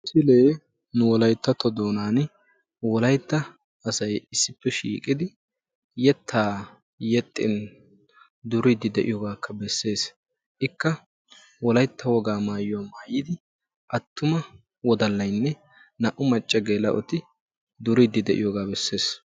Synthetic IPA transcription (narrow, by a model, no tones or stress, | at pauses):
sɪle̞ː | nʊwɔlɐjt̪ːɐt̪ːɔd̪o̞ːnaːn | wɔlɐjt̪ːɐː | sɐjɪsːɪpːɛʃḭːkʼɪd̪ɪ | jɛt̪ʰːaː | jɛt̪ʼːɪ̰n | d̪ʊɾɪd̪ɪd̪ɛʔɪ̰jɔɡaːkːɐbɛsːe̞ːs | ʔɪkːɐ | wɔlɐjt̪ʰːɐwɔɡaːmaːjʊwaːmaːjɪd̪ɪ | ʔɐt̪ːʊmɐ | wɔd̪ɐlːɐjnːɛ | nɐʔʊmɐt͡ʃʼːɐɡelɐ̰ʔɔt̪ɪ | d̪ʊɾɪd̪ːɪd̪ɛʔɪ̰jɔɡaːbɛsːe̞ːs